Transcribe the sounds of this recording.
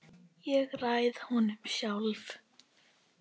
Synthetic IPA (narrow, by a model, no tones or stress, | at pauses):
jɛɣrajðhɔnʏmɕjawlv